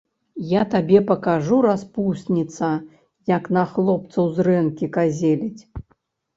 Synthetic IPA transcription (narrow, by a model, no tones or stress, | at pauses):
jat̪abʲɛpɐkaʐuɾaspusʲnʲit̪sɐ | jaknɐxlˠɔpt̪sɐwzrɛnkʲikazʲelʲit͡sʲ